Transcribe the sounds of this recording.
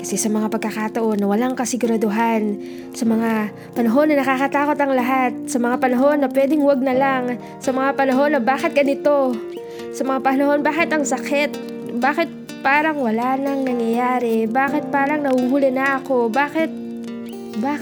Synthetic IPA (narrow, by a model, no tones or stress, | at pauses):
kɐsɛsɐmɐŋapɐɡ̚kːɐkat̪ɐʔo̞nːɐwɐlaŋkɐsɪɡʊɾɐd̪oɦan | sɐmɐŋa | pɐnɐɦo̞nːɐnɐkakɐt̪aːko̞t̪ɐŋlɐɦat̪̚sɐmɐŋapɐnɐɦo̞nːɐpwɛːd̪ɪŋwɐɡ̚nɐlaŋ | sɐmɐŋapɐnɐɦo̞nːɐbaːkɪt̪̚ɡɐnɪt̪o̞ | sɐmɐŋapɐnɐɦo̞nbaːkɪt̪ɐŋsɐkɛt̪̚ | baːkɪt̪̚ | paːɾɐŋwɐlanɐŋnɐŋjɐjaːɾɛbaːkɪt̪̚paːɾɐŋnɐhuɡuːlɛnɐʔɐko̞baːkɪt̪̚ | baː